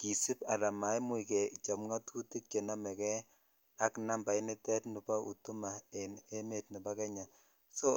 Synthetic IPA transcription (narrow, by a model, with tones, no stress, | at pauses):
ki˨si˦pa˨la˨ma˨˦jmu˦i˨kɛ˨t͡ʃa˨mŋa˦tʰu˦ti˦k̚t͡ʃe˨na˦mɛ˨kɛ˦ | a˦kna˦mba˨jnɪ˦tɛ˦tnu˨pa˦ʔṵ˨tu˦ma˨e˨ne˦me˦˨tni˨ba˦kɛ˦ɲa˨ | so˦